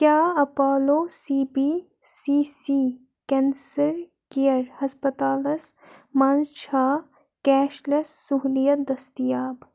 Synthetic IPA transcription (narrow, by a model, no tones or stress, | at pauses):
kjaːɐpaːloːsiːbiː | siːsiː | kɛːnsɐɾ | kijɐɾhɐspɐt̪aːlɐs | mãːnt͡ʃʰaː | kɛːʃlɐsːuɦlijɐd̪ɐst̪ijaːb